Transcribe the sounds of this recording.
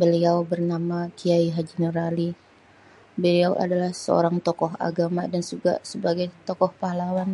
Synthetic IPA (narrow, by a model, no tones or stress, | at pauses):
bəliawbərnamakʰiaiɦad͡ʒinəɾali | bəliawa̰dalahsə̰o̰ɾaŋt̪ɔkɔɦa̰ɡamadand͡ʒuɡa̰səbaɡajt̪ɔkɔhpahlawan